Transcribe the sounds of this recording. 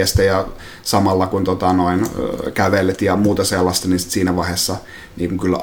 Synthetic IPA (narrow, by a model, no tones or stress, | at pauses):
est̪æjɑ | sɑmɑlːɑkunt̪ot̪ɑnoinkæʋelet̪jɑmuːt̪ɑselːɑst̪ɑniːnsi̥t̪siːnæʋɑhesːɑ | niːŋkuŋkylː